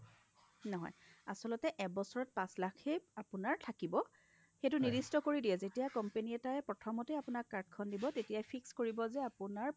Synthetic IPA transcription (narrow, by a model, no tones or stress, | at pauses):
nɔɦɔ̰jasɔlɔtɛʔɛkbɔsɔɹɔt̚pãslakʰejapʊnaɹtʰakibɔ | xetunidistɔkoɹidijɛzetijakɔmpeniɛtaɛpɹɔtʰɔmɔtɛapʊnakkːaɹdkʰɔndibɔtetijajpʰikskoɹibɔzɛapʊnaɹ